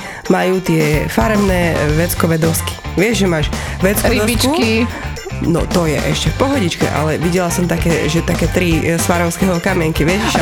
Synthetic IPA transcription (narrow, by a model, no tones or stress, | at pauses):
majuːt̪ɪɛfaɾɛmnɛːʋɛt͡skɔʋɛd̪ɔski̥ʋɪɛʒʒɛmaːʃʋɛt͡skɔʋɛd̪ɔit͡ʃki | nɔ̰t̪ɔjɛ̰ʔɛ̰ʃcɛfpɔɦɔɟit͡ʃkɛ̰ʔa̰lɛʋiɟɛlasɔmt̪akɛːʒɛt̪akɛːt̪ɾisfaɾɔʊskɛɦɔkamɪɛŋkiʋɪɛc